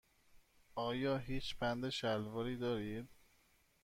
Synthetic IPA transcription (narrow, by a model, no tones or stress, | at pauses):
ʔɒːjɒːɦiːt͡ʃbænd̪eʃælvɒːɾiːd̪ɒːɾiːd̪